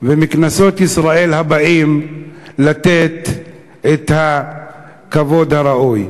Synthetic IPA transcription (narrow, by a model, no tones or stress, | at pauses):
vemiknasot̪isʁae̞lhabaʔimlat̪e̞t̪ | et̪ha | kavo̞d̪haɾaʔuj